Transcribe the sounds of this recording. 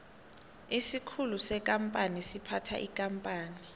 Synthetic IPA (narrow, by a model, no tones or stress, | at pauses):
isikʰulusɛk̬ʼampʼanisipʰatʰa̰ʔikʼampʼaːni